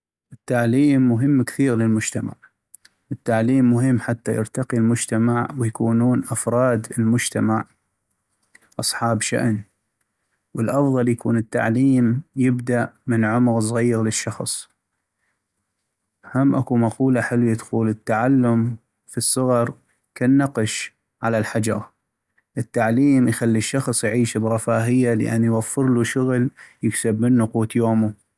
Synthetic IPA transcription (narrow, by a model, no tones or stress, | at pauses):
ʔɪt̪ːaʕliːmːʊɦɪmːkθiːɣlɪlmʊd͡ʒt̪ama̰ʕ | ʔɪt̪ːaʕliːmːʊɦɪmːħat̪ːajɪ̰ɾt̪ɑqilmʊd͡ʒt̪amaʕwɪjakuːnuːnʔafɾˤɑːd̪ɪlmʊd͡ʒt̪amaʕ | ʔɑsˤħɑːbʃa̰ʔn | wəlʔɑfðˤɑljakuːnət̪ːa̰ʕliːmjɪbd̪aʔmɪnʕʊmɣs̬ˤɣijɪɣlɪʃːɑxsˤ | hamːʔakumɑquːlaħɪlwid̪xuːlət̪ːaʕalːʊm | fisˤːɨɣɑɾˤ | kanːɑqʃ | ʕalalħad͡ʒɑ̰ɾ | ʔət̪ːaʕliːmjxalːiʃːɑxsˤjʕiːʃbɣɑfaːɦɪjːalʔa̰nːjwafːɨɾluʃʊɣljɪksabmɪnːʊquːt̪joːmu